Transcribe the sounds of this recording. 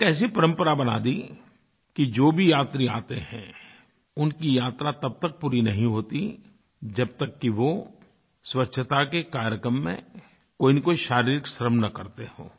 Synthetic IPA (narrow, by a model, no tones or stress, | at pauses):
kɛːs̬ipɐɾə̃mpəɾabɐna̰ːd̪i | kid͡ʒoːbʱijaːt̪ɾia̰ːt̪eɦɛ̃ | ʊnkijaːt̪ɾat̪ɐb̚t̪ɐk̚puːɾinɐɦĩɦoːt̪i | d͡ʒɐb̚t̪əkːiʋoː | swɐtːʃʰət̪akekaːɾjəkɾəmːḛ̃ | koːinikoːiʃaːɾiːɾɪksɾəmnɐkɐɾt̪eho̰ː